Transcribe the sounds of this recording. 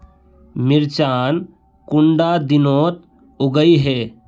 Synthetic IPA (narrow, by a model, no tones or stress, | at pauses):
mɪɾt͡ʃaːn | kʊɳɖad̪ɪnoːt̪ | ʊɡəiɦeː